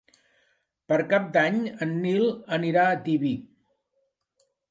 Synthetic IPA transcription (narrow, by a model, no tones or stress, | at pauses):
pəɾkap̚d̪aɲənːilˠəniɾaət̪iβi